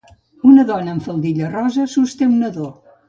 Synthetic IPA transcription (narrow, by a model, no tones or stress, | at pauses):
unəðɔnəːɱfəlˠd̪iʎərɔzəsust̪emnəðo